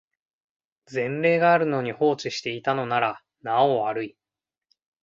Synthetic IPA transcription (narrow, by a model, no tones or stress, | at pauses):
zẽ̞nɾe̞ːɡaːɾɯ̟no̞ɲ̟iho̞ːt͡ɕiɕi̥t̪e̞it̪ano̞naɾa | naoβaɾɯ̟i